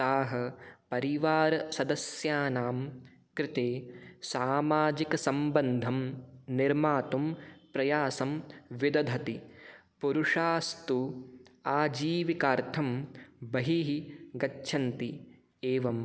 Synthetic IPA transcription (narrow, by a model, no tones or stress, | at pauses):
t̪aːɦɐ̆pɐɾiʋaːɾɐsɐd̪ɐsjaːnaːm | kɾɪt̪eːsaːmaːd͡ʒikɐsɐmbɐnd̪ʱɐmniɾmaːt̪umpɾɐjaːsɐmʋid̪ɐd̪ʱɐt̪ipuɾuʂaːst̪uaːd͡ʒiːʋikaːɾt̪ʰɐmbɐɦiɦiɡɐt͡ʃːʃʰɐnt̪i | eːʋɐm